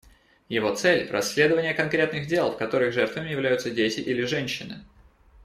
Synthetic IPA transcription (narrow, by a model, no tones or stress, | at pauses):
jɪvo̞t̪sɛlʲrɐ̰sʲːlʲe̞d̪əvənʲɪjəkɐnkɾʲe̞t̪nɨxdʲe̞lˠfkɐt̪o̞ɾɨɣʐɛrt̪vəmʲɪjɪvlʲæjʊt̪sədʲetʲɪʔilʲɪʐɛnʲɕːɪnɨ̰